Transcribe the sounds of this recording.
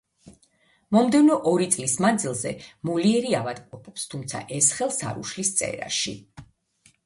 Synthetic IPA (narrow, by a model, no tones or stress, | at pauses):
mɔmd̪ɛvnɔʔɔɾit̪sʼlismand̪zilˠzɛ̰muliɛɾiavad̪qʼɔpʰʼɔpst̪ʰumt̪sʰa̰ʔɛsχɛlˠsa̰ɾṵʃlist̪sʼɛ̰ɾa̰ʃḭ